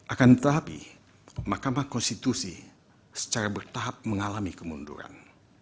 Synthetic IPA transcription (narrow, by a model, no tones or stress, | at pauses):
ʔakant̪aɦapḭ | mahkamahkɔnst̪it̪usi | sə̥t͡ʃaɾabərt̪aɦap̚məŋalamikəmundṵɾa̰n